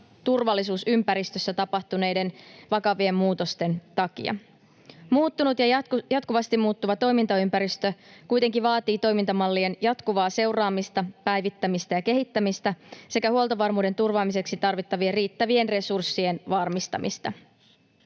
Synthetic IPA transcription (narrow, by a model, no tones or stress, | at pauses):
t̪urʋɑlːisuːsympæɾist̪øsːæt̪ɑpɑht̪une̞jde̞nʋɑkɑʋie̞mmuːt̪o̞st̪e̞nt̪ɑkḭɑ̰ | muːt̪ːunut̪jɑjɑt̪kuʋɑst̪imuːt̪ːuʋɑt̪o̞jmint̪ɑympæɾist̪økujt̪e̞ŋkiʋɑːt̪iːt̪o̞jmint̪ɑmɑlːie̞njɑt̪kuʋɑːse̞wrɑːmist̪ɑpæjʋit̪ːæmist̪æjɑke̞ɦit̪ːæmist̪æse̞kæhuolˠt̪oɑʋɑrmuːde̞nt̪urʋɑːmise̞ksit̪ɑrʋit̪ːɑʋieriːt̪ːæʋie̞nre̞sursːie̞nʋɑrmist̪ɑ̰mist̪ɑ̰